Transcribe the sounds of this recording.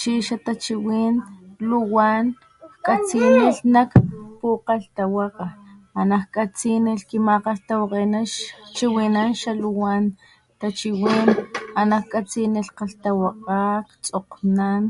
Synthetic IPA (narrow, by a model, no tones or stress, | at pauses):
t͡ʃiʃat̪at͡ʃiwiːnluwan | kkʼat͡siniɬnakpuqalt̪awaqaanakkʼat͡sinilkimaqaɬt̪awaqenaʃt͡ʃiwinanʃaluwan | t̪at͡ʃiwiːnanakkʼat͡siniɬqaɬt̪awaqakt͡soqnan